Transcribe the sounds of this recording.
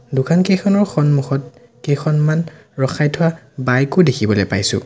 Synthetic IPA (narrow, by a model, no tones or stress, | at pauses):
dʊkʰankejxʰɔnɔɹxɔnmuxɔt̚ | kejxɔnman | ɹɔxajtʰʊwa | bajkʊdekʰibɔlojpajsʊ̰̃